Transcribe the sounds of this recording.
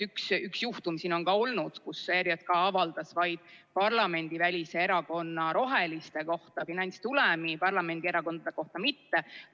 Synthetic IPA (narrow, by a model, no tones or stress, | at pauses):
yksyksjuht̪umsiːno̞nkɑo̞lnud̪̥kuseɾjɑt̪̚kɑɑvɑld̪̥ɑsvɑjd̪̥pɑrlɑme̞nʲd̪ivælʲise̞eɾɑko̞nːɑɾo̞ɦe̞list̪e̞ko̞ht̪ɑfinɑnʲt̪st̪ulɛmipɑrlɑme̞nd̪̥ieɾɑko̞nd̪ɑd̪̥eko̞ht̪ɑmit̪ːe